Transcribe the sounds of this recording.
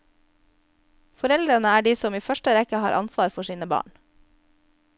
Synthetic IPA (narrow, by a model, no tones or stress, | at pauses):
fɔɾɛld̪ɾənəæːɖiːsɔmiːfœʃʈəɾɛkəhɑ̰ːɾʔɑ̰nsʋɑːɾfɔʃiːnəbɑ̰ːɳ